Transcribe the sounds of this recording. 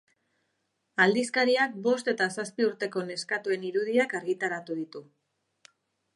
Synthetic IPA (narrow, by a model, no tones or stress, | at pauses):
ald̪iskaɾiak̚bo̞st̪e̞t̪asaspiuɾt̪e̞ko̞ne̞skat̪ue̞niɾuðiakaɾɣit̪aɾat̪uðit̪u